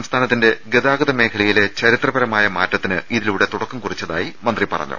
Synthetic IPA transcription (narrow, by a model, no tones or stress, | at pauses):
ɐmst̪ʰaːnɐt̪ːinde̞ɡeðaːɡɐðɐmeːkʰɐɭɐjilet͡ɕɐɾit̪rɐbɐɾɐmaːjɐmaːtːɐt̪ːinɨiðiluːɽe̞t̪uɽɐkːumkurit͡ɕːɐða̰ːjimɐnd̪ripɐrɐ̰ɲːṵ